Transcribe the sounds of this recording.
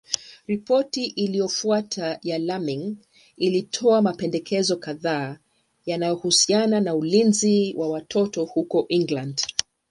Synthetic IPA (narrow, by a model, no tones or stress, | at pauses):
ɾipɔtiʔilijɔfuatʰajalamiŋ | ilitʰɔamapɛndɛkʰɛzɔkaðaː | janajɔhusiananaulinziwʔawatʰɔtɔhukɔʔiŋɡland